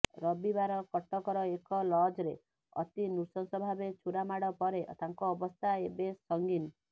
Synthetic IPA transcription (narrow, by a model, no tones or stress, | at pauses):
ɾɔbibaɾɔkɔʈːɔkɔɾɔekɔlɔd͡ʒɾe | ɔ̰t̪inusɔnsɔbʱabet͡ʃʰuɾamaɽɔpɔɾeʔt̪aŋkɔːbɔst̪ʰaebesɔŋɡin